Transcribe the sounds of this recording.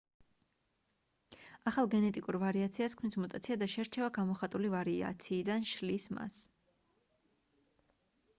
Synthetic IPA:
aχalˠɡɛnɛt̪ʼikʼuɾvaɾiat̪sʰiaskʰmnismɔt̪ʼat̪sʰiad̪aʃɛɾt͡ʃʰɛvaɡamɔχat̪ʼulivaɾia̰t̪sʰiːd̪anʃlisma̰s

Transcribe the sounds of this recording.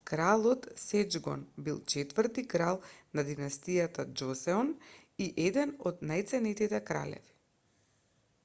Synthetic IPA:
kɾalˠɔt̪sɛd͡ʒɡɔ̰nbilˠt͡ʃɛt̪vəɾt̪ikɾalˠnad̪inast̪ijat̪ad͡ʒɔsɛɔn | iʔɛd̪ɛnɔd̪najt̪sɛnɛt̪it̪ɛkɾa̰lɛ̰vi̥

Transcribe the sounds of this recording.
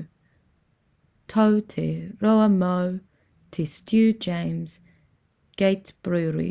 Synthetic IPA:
tʰoʊtʰɪɹoʊəmoʊ | tʰɪstjʉːd͡ʒẽɪ̃mz̥ | ɡ̥eɪtb̥ɹʉːɹḭ

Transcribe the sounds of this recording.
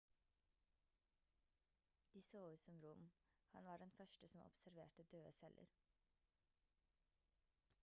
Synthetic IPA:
d̪̥iːsoːʉːt̪sɔmɾʊmhɑnʋɑːɖɛnfœʃʈəsɔmʔɔ̰psæɾʋḛːʈəd̪øːəsɛlʔə̰ɾ

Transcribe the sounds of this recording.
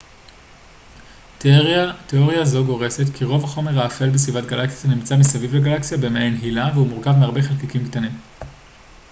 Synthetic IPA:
teo̞ʁjazo̞ɡo̞ʁe̞se̞tkʰiʁo̞vhaχo̞me̞ʁaːfe̞lbes̬vivatɡalaksiatanimt͡samisavivleɡalaksijabe̞meenɦilaveumuʁkavmeaʁbe̞χelkikimktanim

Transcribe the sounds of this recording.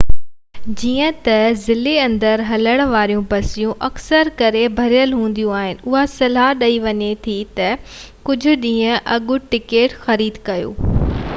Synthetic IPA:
d͡ʑiːə̃t̪ɐzɪleɐ̃nd̪əɾɦɐləɽ̃ʋaːɾijũpɐsijũʔɐksəɾkɐɾebʱɐɾijəlɦũːn̆d̪ijũaːɦɪnɪ̆ʊɦasɐlaːɦɗɐiʋɐɲet̪ʰit̪ɐ | kʊd͡ʑʱʊ̆ɗĩːə̃ʔɐɠʊ̆ʈɪkeːʈxɐɾiːd̪kɐjo̰ː

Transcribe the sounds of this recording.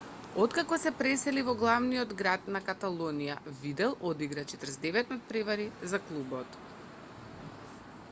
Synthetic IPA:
ot̪kakɔsɛpɾɛsɛlivɔɡlˠavnijɔd̪ɡɾat̪nakat̪alˠonija̰vid̪ɛlˠod̪iɡɾat͡ʃɛt̪ɾzd̪ɛvɛt̪nat̪̚pɾɛvaɾizaklˠubɔt̪

